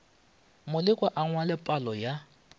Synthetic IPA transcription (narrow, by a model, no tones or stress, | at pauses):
mʊlɪkʼwaʔaŋwalɪpʼalɔja